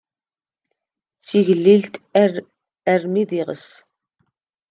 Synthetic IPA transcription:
t͡sːiʝlːilt̪ | ərmiðiʁə̰s

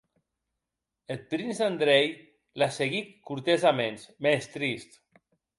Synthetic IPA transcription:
et̪̚pɾinzand̪ɾej | laseɣikkːuɾt̪ezamẽnzmest̪ɾist̪

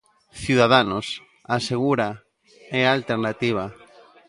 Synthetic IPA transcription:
θjuðaðanos | aseɣuɾa | ealt̪eɾnat̪iβ̞a

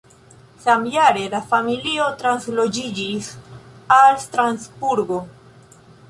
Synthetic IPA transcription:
samjaɾe̞lafamilio̞tɾanslo̞d͡ʒid͡ʒisalst̪ɾansbuɾɡo̞

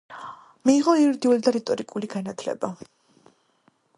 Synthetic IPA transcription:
miːʁɔiɾd̪iulid̪aɾit̪ʼɔɾikʼuliɡanat̪ʰlɛ̰ba

